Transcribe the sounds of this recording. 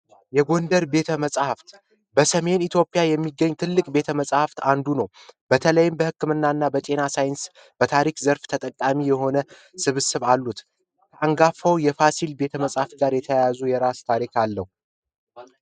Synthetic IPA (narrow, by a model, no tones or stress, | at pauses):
jɛɡo̞nd̪əɾbe̞t̪ʰəməsʼhaft̪ | bəsəme̞nit̪ʰjo̞pʼijajɛmːiɡəɲːt̪ʰɨlːɨkʼbe̞t̪ʰəməsʼhaft̪and̪unəwb̥ət̪ʰələjɪmbəhɨkːɨmɨnːaɨnːabət̪ʼe̞nasajɪns | b̥ət̪ʰaɾikzəɾft̪ʰət̪ʼəkʼːamijɛɦo̞nə | sɨβɨsɨβalːut̪ | kʰəʔaŋɡafːəwjɛfasilbe̞t̪ʰəməsʼhaft̪ɡaɾjɛt̪ʰəjajazujɛɾast̪ʰaɾikʰalːəhu